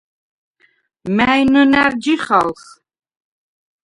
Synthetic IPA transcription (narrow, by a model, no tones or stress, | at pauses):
mæjnənæɾd͡ʒiχals